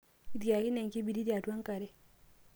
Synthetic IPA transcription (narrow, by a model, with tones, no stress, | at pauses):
i˦di˨ja˨ki˦ne˨ŋki˦bi˨di˦di˦a˨tu˦a˦ŋka˨ɾɛ˦